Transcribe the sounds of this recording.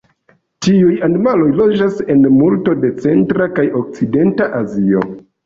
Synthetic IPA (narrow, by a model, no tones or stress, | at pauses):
tiujanimalo̞jlo̞d͡ʒase̞nmulto̞de̞t͡se̞ntɾakajo̞k̚t͡side̞ntaʔazio̞̰